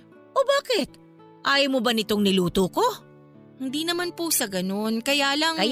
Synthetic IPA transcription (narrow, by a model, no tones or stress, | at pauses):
ʔobaːkɪt̪̚ | ʔaːjɐmobɐnɪt̪oŋnɪluːt̪oko̞ | hɪnd̪iːnɐmanpusɐɡɐno̞nkɐjaːlɐŋɐ